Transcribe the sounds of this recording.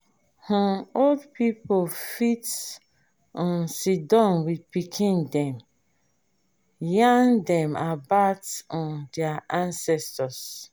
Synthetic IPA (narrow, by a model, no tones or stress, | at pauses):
hɔ̃odpipofit | ɔ̃nsidɔ̃nwid̚pikʰĩndɛ̃m | jãŋdɛ̃mabatɔ̃ndɛaʔãnsɛstɔs